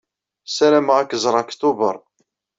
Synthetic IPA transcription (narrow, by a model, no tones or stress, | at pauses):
sælæmʁækːəzˤɾˤɑkt̪ubəɾˤ